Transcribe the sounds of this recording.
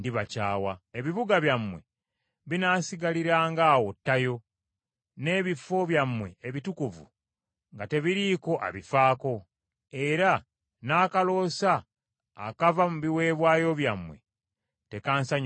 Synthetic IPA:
ndiβacaːwaeβiβuɡaβjamwe̞̰ | βinaːsiɡaliɾaːŋɡaːwo̞tːajo̞ | ne̞ːβifo̞βjamːwe̞eːβitukuvṵ | ŋɡate̞βiɾiko̞ʔa̰βifaːko̞ | e̞ɾa | naːkalo̞ːsa̰ː | kavamuβiwe̞ːβwaːjo̞βjamwe̞̰ | te̞kaːnsaɲ

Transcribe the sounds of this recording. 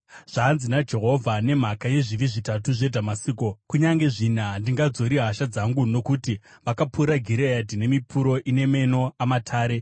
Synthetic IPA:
ʐ̥aːnzinad͡ʒe̞ɦo̞vʱane̞m̤akaje̞ʐiʋiʐitatuʐe̞dʱamasiːkokuɲaŋɡe̞ʐin̤andiŋɡad͡zo̞ɾiɦaʃad͡zaŋɡuno̞kutiʋakapʰuɾaɡʱiɾeadine̞mipʰuɾo̞ʔine̞me̞no̞amatʰaːɾe̞

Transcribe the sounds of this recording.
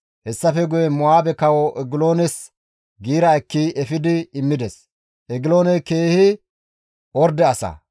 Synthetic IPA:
hɛsːɐfɛɡʊjɛmɔaːbɛkɐwɔʔɛɡɪloːnɛs | ɡiːɾɐɛkːiɛfɪd̪ɪɪmːɪd̪ɛs | ʔɛɡɪloːnɛke̞ːhɪ | ɔɾd̪ɛɐsɐ̰

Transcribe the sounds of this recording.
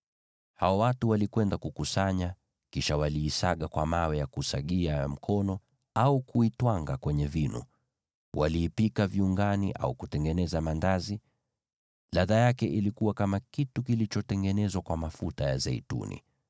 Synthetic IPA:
haɔwatuwalikwɛndakukusaɲa | kiʃawaliːsaɠakwamawɛjakusaɠiam̩kʰɔnɔ | aukuitwaŋɡakwɛɲɛvinṵ | wa̰liːpikaviuŋɡanḭʔa̰ukutɛŋɡɛnɛzamandazi | laðajakɛʔilikuwakamakitukilit͡ʃɔtɛŋɡɛnɛzwakwamafutaja̰zɛitṵnḭ

